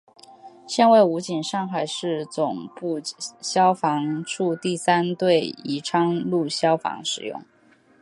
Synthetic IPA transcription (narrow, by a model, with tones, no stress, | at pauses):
ɕjɛ˥˧nwe˥˩ɪu˧˥t͡ɕi˨˩nʂɑ˥˩ŋxa˨˩ɪʂɻ̩˥˩t͡sʊ˨˩ŋpu˥˧ɕjɑ˥ʊfɑ˧˥ŋʈ͡ʂʰu˥˧t̪i˥˩sa˥nt̪we˥˩ɪi˧˥ʈ͡ʂʰɑ˥ŋlu˥˩ɕjɑ˥ʊfɑ̰˧˥ŋʂɻ̩˨˩jʊ̰˥˩ŋ